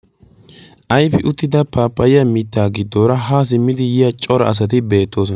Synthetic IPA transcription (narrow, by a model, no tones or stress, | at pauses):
ʔɐjfɪʔʊt̪ːɪd̪ɐpaːpːɐjɪjɐmɪt̪ːaːɡɪd̪ːoːɾɐɦaːs̬ɪmːɪd̪ɪjɪjɐt͡ʃʼɔɾɐ̰ɐs̬ɐt̪̬ɪbe̞ːt̪ːo̞ːs̬ɔn